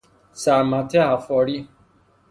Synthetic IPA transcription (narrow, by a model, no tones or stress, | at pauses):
samãtɛafɔɾi